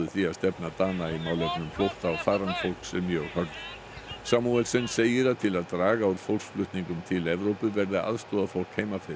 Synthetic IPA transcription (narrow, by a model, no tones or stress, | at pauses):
ʏθiaðst̪ɛpnat̪aːnaimaːwlɛpnʏmflowht̪aɔwfaːɾant̪fowl̥ksɛmjœhœɾ | saːmuɛlsɪnseːjɪɾat̪ʰɪlaðt̪ɾaːɣauɾ̥fowlksflʏht̪niŋkʏmt̪ʰɪlɛvɾowpʏvɛɾðɪʔa̰ðst̪ɔːðafowl̥kheːjmafɪɾ